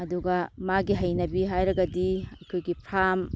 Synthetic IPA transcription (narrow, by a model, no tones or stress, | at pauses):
ɐduɡɐmaɡiɦɐjnɐbiɦajɾɐɡɐdiɐkʰojɡipʰɾam